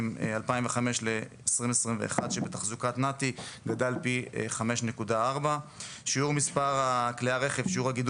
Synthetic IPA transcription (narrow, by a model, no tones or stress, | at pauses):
malpaimveχame̞ʃleesʁimesʁimvḛḛχad̪ʃebet̪aχzukat̪nat̪iɡadalpiχame̞ʃne̞kudaaʁbaʃiuʁmispaʁakliaʁe̞χevʃiuʁaɡid